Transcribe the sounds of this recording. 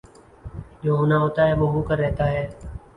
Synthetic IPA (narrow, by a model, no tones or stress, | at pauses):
d͡ʒoːɦoːnaɦoːt̪aɦɛːʋoːɦoːkəɾːɛɦt̪aɦɛː